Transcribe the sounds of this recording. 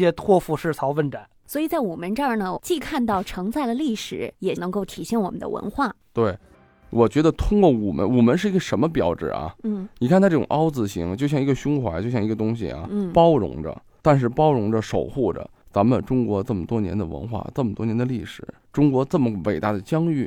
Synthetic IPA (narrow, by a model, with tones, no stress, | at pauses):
jɛ˥t̪ʰwɔ˥˧fu˥˧ʂɻ̩˥˩t͡sʰɑ˧˥ʊfə˥˩nʈ͡ʂa˨˩˦nswɔ˧˥i˨˩t͡sa˥˩ɪu˨˩mə˧˥nʈ͡ʂɑ˥˩nə˩t͡ɕi˥˧kʰa˥˧nt̪̬ɑ˥˩ʊʈ͡ʂʰɤ˧˥ŋt͡sa˥˩ɪlə˩li˥˩ʂɻ̩˨˩˦jɛ˨˩nɤ˧˥ŋko˥˩ʊt̪ʰi˨˩ɕjɛ˥˩nwɔ˨˩mə˦nd̪ə̰˧wʔə̰˧˥nxwa˥˩t̪we˥˩ɪ | wɔ˨˩t͡ɕɥɛ˧˥d̪ə˧t̪ʰʊ˥ŋkwɔ˥˩u˨˩mə̰˧˦nu˨˩mə˧˥nʂ̬ɻ̩˥˩i˧˥ɡə˧˩ʂə˧˥nmə˧pjɑ˨˩ʊʈ͡ʂɻ̩̰˨˩ɐ̰˧˩n̩˥˩ni˨kʰnʰ˥ʈ͡ʂɤ˥˩ʈ͡ʂʊ̰˨˩ŋʔɑ˥ʊt͡sɹ̩˧˩ɕḭ˧˥ŋt͡ɕjo˥˧ɕjɑ˥˧ŋi˧˥ɡə˧ɕʊ˥ŋxwa˧˥t͡ɕjo˥˧ʊɕjɑ˥˧ŋi˧˥ɡə˧t̪ʊ˥ŋɕ̬ḭ˨˩a̰˩˥˩pɑ˥ʊɻʊ̰˧˥ŋʈ͡ʂə̰˧ | t̪a˥˧nʂ̬ɻ̩˥˩pɑ˥ʊɻʊ˧˥ŋʈ͡ʂə˧ʂo̰˨˩ʊxu˥˩ʈ͡ʂə̰˩ | t͡sa˧˥mə˨nʈ͡ʂʊ˥ŋkwɔ˧˥t͡sə˥˩mə˩t̪wɔ˥njɛ̰˧˥nd̪ə̰˧wə̰˧˥nxwa̰˥˩t͡sə˥˩mə˩wɔ˥njɛ˧˥nd̪ə˧li˥˩ʂɻ̩˨˩˦ | ʈ͡ʂʊ˥ŋkwɔ˧˥t͡sɤ˥˩mə˩wḛ˨˩ɪt̪a˥˩d̪ə˩t͡ɕjɑ˥ŋy˥˩